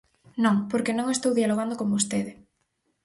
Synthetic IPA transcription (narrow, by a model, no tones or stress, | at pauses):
nõŋpoɾkenõŋest̪owðialoɣand̪okombost̪eðɪ